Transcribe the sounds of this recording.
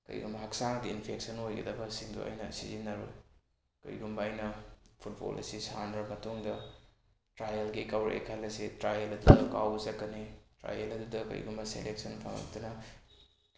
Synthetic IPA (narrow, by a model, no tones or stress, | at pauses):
kɐ̰jɡumbɐɦɐksaŋdiinpʰeksɐnojɡɐdɐbɐsiŋdṵɐ̰jnɐsizinːɐɾṵ | kɐ̰jɡumbɐːjnɐpʰut̚bo̰lḭsisanɾɐmɐtuŋdɐ | tɾajelɡikawɾ̰ḛkʰalːɐsitɾajelɐdudɐka̰wɡzɐkːɐnitɾa̰jelɐdudɐkɐ̰jɡumbɐsḛlek̚sɐnpʰa̰ŋɐ̰k̚tunɐ